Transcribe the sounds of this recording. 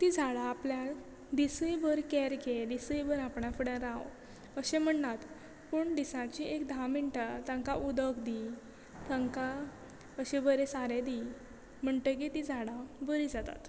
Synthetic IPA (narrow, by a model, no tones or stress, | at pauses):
t̪id͡zʱaɽaːplja | d̪isəjbəɾkɛɾked̪isəjbəɾapɳafəɽãɾaw | əɕem̤əɳtat̪ | pəɳɖ̪isãt͡ɕiʔekd̪ʱãmiɳʈat̪ãŋkaʔud̪əkd̪i | t̪aŋka | əɕebəɾesaɾed̪i | m̤əɳt̪ək̬it̪id͡zʱaɽabəɾid͡zat̪a̰t̪